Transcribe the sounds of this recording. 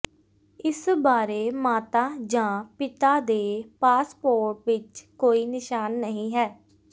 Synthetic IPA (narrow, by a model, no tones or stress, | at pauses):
ɪsbaːɾeːmaːt̪aːd͡ʒãːpɪt̪aːd̪eːpaːspoːɾʈʋɪt͡ʃkoːiːnɪʃaːnːəɦĩːɦɛː